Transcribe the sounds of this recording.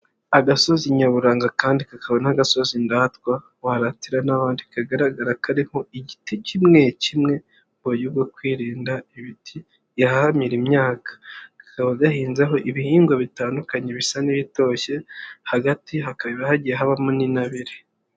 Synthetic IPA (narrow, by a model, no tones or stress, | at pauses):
aɡaso̞ziɲaβuɾaːŋɡakaːndikakaβonahaɡaso̞zindaːtkwa | waɾatiɾanaβaːndikaɡaɾaɡaɾakʰaɾiho̞iɟiticimŋecimŋe̞ | bojubɡokwiːɾiːndaiβitʰi | jahahamiɾimɲaːkḁkḁkaβaɡahiːnzaɦo̞ʔiβihiːŋɡwaβitaːndukaɲe̞βisaniβito̞çe̞haɡatiɦakaβiβahaɟieɦaβamoninaβiɾe